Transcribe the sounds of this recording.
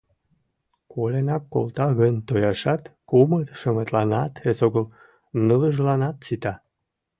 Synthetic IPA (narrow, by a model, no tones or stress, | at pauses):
kolenɑkːo̰lt̪ɑɣənt̪ojɑʃɑt̪kumət̪ʃəmet̪lɑnɑt̪esoɣəl | nələʒlɑnɑt̪t͡sit̪ɑ